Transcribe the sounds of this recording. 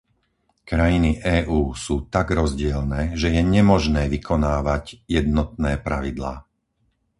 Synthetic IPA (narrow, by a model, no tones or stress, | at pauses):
kɾajiniʔɛːʔuːsuːt̪aɡɾɔzɟɪɛlnɛːʒɛjɛɲɛmɔʒnɛːʋikʰɔnaːʋaɟjɛd̪nɔt̪̚nɛːpɾaʋid̪la̰ː